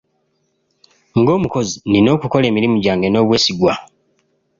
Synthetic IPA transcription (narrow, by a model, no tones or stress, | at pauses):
ŋɡo̞ːmuko̞zinino̞ːkuko̞le̞ːmiɾimuɟaːŋɡe̞no̞ːβwe̞ːsiɡwa